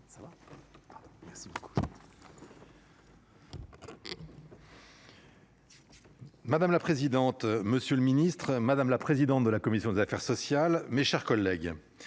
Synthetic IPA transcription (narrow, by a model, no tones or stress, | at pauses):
savapad̪̃mɛʁsiboku̥ | mad̪amlapχezid̪ɑ̃t̪məsjøləminist̪χmad̪amlapχezid̪ɑ̃t̪̚d̪əlakɔmisjɔ̃d̪ezafɛʁsɔsjalmeʃɛʁkɔlːɛɡ